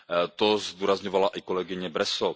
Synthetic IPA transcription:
t̪ozd̪uːɾazɲovalaʔikolɛɡɪɲɛbɾɛso

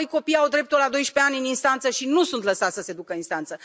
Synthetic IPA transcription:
jko̞pijawd̪ɾe̞p̚t̪ulad̪o̞jʃpe̞anʲɨninst̪ant̪səʃinusunt̪ləsat̪səse̞d̪ukəinst̪ant̪sə

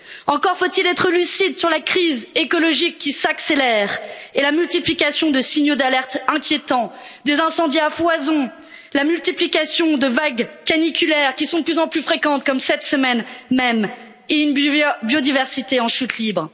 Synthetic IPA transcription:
ɑ̃kɔʁfot̪ilɛt̪χəlysid̪syʁlakχizekɔlɔʒikːisakselɛʁelamylt̪iplikasjɔ̃d̪əsiɲjod̪alɛʁt̪ɛ̃kʲjet̪ɑ̃ | d̪ezɛ̃sɑ̃d̪jafwazɔ̃ | lamylt̪iplikasjɔ̃d̪əvaɡkanikʲylɛʁkʲisɔ̃d̪əplyzɑ̃plyfχekɑ̃t̪̚kɔmsɛt̪səmɛnmɛm | eynbjod̪ivɛʁsit̪eɑ̃ʃyt̪libʁ

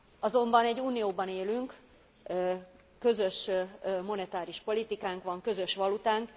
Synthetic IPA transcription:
ɒzo̞mbɒnɛɟːuːnijoːbɒneːlyŋkː | kø̞zø̞ʃmo̞nɛt̪aːɾiʃpo̞lit̪ikaːŋkʋɒŋkø̞zø̞ʃʋɒlut̪aːŋk

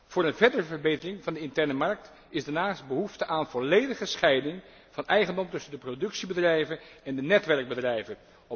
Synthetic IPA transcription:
v̥ʊːɹənvɛɹdərəvəɹbejtərɪŋvɑndəɪntɛɹnəmɑɹk̚t | ɪzdaɹnaːst̚bəɦuftəʔaːnvɔlejdəχəsχɛjdɪŋ | v̥ɑnɛjχəndɔmtɵsəndəprodɵksibədrɛjvənɛndənɛtʋɛɹɡ̚bədrɛjvən | ɔ

